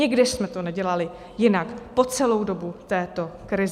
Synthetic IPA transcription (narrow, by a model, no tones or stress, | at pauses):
ɪɡdɪʃsmɛt̪onɛɟɛlalɪ | jɪnakpo̞t͡sɛlo̞wdo̞but̪ɛːt̪o̞kɾɪz